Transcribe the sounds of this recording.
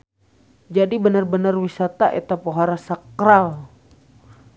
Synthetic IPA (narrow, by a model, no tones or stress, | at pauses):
d͡ʒadibənarbənarwisat̪aʔet̪apoɦaɾasakɾal